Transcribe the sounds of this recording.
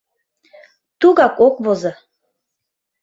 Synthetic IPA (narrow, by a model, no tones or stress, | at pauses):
t̪uɣɑkokβozɤ